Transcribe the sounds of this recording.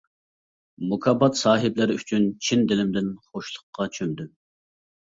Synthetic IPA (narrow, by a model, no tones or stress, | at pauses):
mukʰɑbɑt̪sɑːɦɪblɪɾɪyt͡ʃʰynt͡ʃʰind̪ɪlɪmd̪ɪnχoʃlˠʊqːɑt͡ʃʰønd̪y